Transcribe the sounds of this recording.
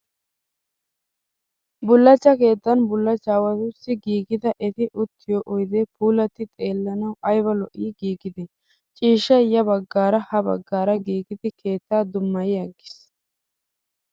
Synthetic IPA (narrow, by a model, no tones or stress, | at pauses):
bʊlːɐt͡ʃːɐke̞ːt̪ːɐnbʊlːɐt͡ʃːaːwɐt̪ʊsɪɡiːɡɪd̪ɐʔɛt̪ɪʔʊt̪ʰːɪjoːʔɔjd̪ɛpʰuːlɐt̪ːɪt̪ʼe̞ːlːɐnɐwʔɐjbɐlɔʔiːɡiːɡɪd̪ɪ | t͡ʃʼiːʃːɐjɐbɐɡːaːɾɐhɐbɐ̰ɡːaːɾɐɡiːɡɪd̪ɪkʰe̞ːt̪ːaːd̪ʊmːɐjɪjɐɡːɪ̥s